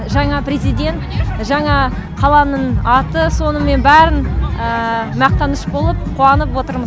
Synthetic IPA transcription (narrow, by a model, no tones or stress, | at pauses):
ʒɑɴɑprʲezijd̪ʲe̞nt̪ʒɑɴɑ | qʰɑlˠɑnənɑt̪əso̞nəme̞nbæɾɪnəmɑq̚t̪ɑnəʃbo̞lˠəp̚qʰuɑnəpwo̞t̪əɾməz